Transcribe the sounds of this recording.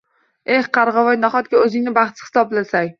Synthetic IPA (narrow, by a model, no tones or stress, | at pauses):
ehqʰɑɾʁɑvɒjnaχɒt̪̚ɡʲaɵzɪŋnɪbaχt̪ɪ̥hɪ̥sɒblasaŋʲ